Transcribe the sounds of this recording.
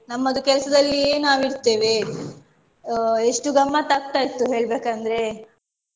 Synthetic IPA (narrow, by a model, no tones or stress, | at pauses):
nɐmːɐd̪ukɛlɐsɐd̪ɐlːieːnaːʋiɾt̪e̞ːʋe | eʂʈuɡɐmːat̪ɐk̚t̪aːjit̪ːuɦeːɭbeːkɐnd̪ɐɾe̞